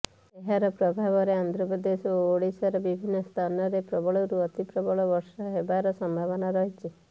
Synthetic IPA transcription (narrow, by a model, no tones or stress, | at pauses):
eɦaɾɔpɾɔbʱaβɔɾeand̪ɾɔpɔd̪esoːɽisɔɾɔbibʱinːɔst̪ʰanɔɾepɾɔbɔɭɔɾuɔt̪ipɾɔbɔɭɔbɔɾsɔɦebaɾɔsɔmbʱaβɔnaɾɔɦit͡ʃʰi